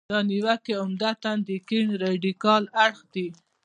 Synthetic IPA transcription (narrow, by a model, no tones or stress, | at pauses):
d̪ɑniwakeʊmd̪at̪and̪əkiɳɾɑɖikɑlaɽxd̪i